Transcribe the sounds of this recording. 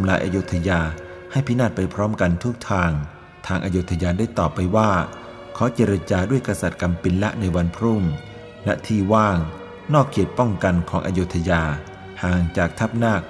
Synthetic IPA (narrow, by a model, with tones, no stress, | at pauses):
t̪ʰa˧mlaː˧jʔa̰ː˧juː˦˥t̪ʰːa˧jaː˧ | ha˥˩jpʰi˦˥naː˥˩t̪̚pa˧jpʰɾɔː˦˥mka˧nt̪ʰu˦˥k̚t̪ʰaː˧ŋ | t̪ʰaː˧ŋʔaː˧joː˦˧˥t̪ʰa˧jaː˧daː˥˩jt̪ɔː˨˩pːa˧jwaː˥˩ | kʰɔː˩˦t͡ɕeː˧ɾa˧t͡ɕaː˧du˥˩əjkɾa˧sa˨˩t̪̚ka˧mpi˧nla˦˥ʔna˧jwa˧npʰɾu˥˩ŋ | lɛ̰˦˥ʔt̪ʰiː˥˩waː˥˩ŋ | nɔː˥˩kʰːi˨˩ət̪̚pɔ˥˩ŋka˧nkʰɔː˩˦ŋʔa̰˧jo˦˧˥t̪ʰːa˧jaː˧ | haː˨˩ŋt͡ɕaː˨˩k̚t̪ʰa˦˥˩p̚naː˥˩k̚